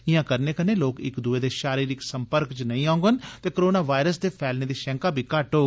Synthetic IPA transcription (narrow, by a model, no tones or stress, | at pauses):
ɪjãːkəɾneːkəneːloːkɪ̰kd̪uːeːd̪eːʃaːɾiːɾɪksəmpəɾkt͡ʃnəĩːãːʊ̃ŋɡənt̪eːkoɾoːnaːʋaːɪɾəsd̪eːpʰɛːlneːd̪iːʃɛ̃ːŋkaːbʱiːkaʈɦoːɡ